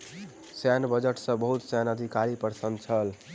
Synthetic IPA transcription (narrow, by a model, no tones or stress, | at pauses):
sanbəd͡ʒəʈsə̃bəɦut̪sanəd̪ʱikaɾipəɾsənd̪t͡ʃʰəl